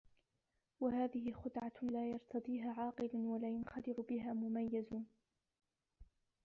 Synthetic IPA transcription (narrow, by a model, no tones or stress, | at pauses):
waɦaːðɪɦɪxʊd̪ʕalaːjɑɾˤt̪ʰɑd̪ˤiːɦaːʕɑːqɨlanwalaːjʊnxad̪ɪɾʊbɪɦaːmʊmajːazʊ